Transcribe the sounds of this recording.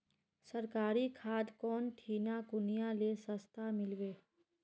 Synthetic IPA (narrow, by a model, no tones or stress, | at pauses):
səɾkaːɾikʰaːd̪kɔːnʈʰiːnakʊnijalesəst̪ʰamɪlʋeː